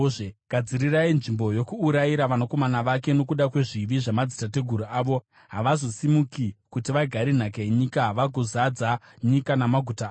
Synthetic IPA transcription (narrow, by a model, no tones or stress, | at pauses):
ʐeɡ̥ʱad͡ziɾirainʐimbo̞jo̞kuːɾajiɾaʋanako̞manaʋake̞no̞kuɗakwe̞ʐiʋiʐamad͡zitate̞ɡʱuɾuaːʋo̞ | ɦaʋazo̞simukikutiʋaɡʱaɾin̤akaeɲikaʋaɡʱozad͡za | ɲikanamaɡʱutaː